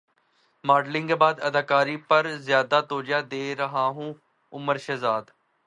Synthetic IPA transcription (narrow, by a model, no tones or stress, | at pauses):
maːɖlɪ̃ŋɡbaːd̪əd̪aːkaːɾiːpəɾzjaːd̪aːt̪oːd͡ʒjaːd̪eːɾəɦãːɦũː | ʊməɾʃəzaːd̪